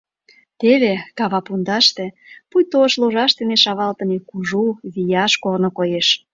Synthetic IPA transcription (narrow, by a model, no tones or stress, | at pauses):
t̪eβekɑβɑpund̪ɑʃt̪ĕ | pujt̪oʃloʒɑʃt̪eneʃɑβɑlt̪ə̆nekuʒuβijɑʃkornŏkojeʃ